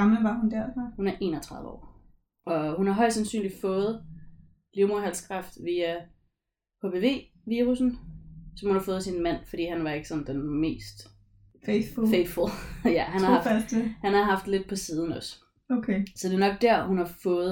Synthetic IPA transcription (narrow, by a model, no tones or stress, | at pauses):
ɑməʋɑ̈hund̥æɐ̰fɑhunæɐʔe̝̰ːnɒt͡sʰʁɑ̈ðˠʋəɒ̰ː | ʔɒ̽hunhɑ̈ɦɒ̽ɪ̰d̥sænsy̰ːnli̥fɔ̽ːð̞̩ˠ | liʊmoɐ̰ɦæl̰skʰʁɑfd̥ʋiːæ | hʰob̥ʰe̝ʋe̝̰ː | ʋiːʁusn̩sɒ̽mhunhɑ̈fɔ̽ːð̩ˠsinmæn̰fdḭːhænʋɑ̈e̝ɡ̥ə̥sɒ̽nd̥enme̝̰ːsd̥ | feffeɪfulˠjæɦænnhɑ̈ɑsehænhɑ̈ɦɑ̈fd̥le̝d̥̚pʰɒ̽siːð̞ˠn̩ɒ̽s | okʰesɒ̽d̥e̝nɒ̽ɡ̥̚d̥æɐ̰hunhɑ̈fɔ̽ːð̩ˠ